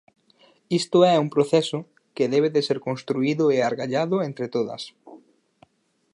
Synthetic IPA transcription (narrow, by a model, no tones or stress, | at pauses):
ist̪ʊɛɛumpɾoθɛsʊ | keðɛβ̞eðeseɾkonst̪ɾuiðʊeaɾɣaʎaðʊent̪ɾet̪oðɐ̰s